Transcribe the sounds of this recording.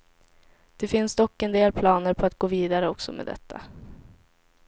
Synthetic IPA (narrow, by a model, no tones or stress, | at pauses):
d̪̥ɛfɪnsd̪ɔkːɛnd̪eːlpʰlɑːnəɾpʰɔat̪̚ɡ̥oːviːd̪aɾəɔksɔmḛːd̪ɛ̰t̪ʰːa̰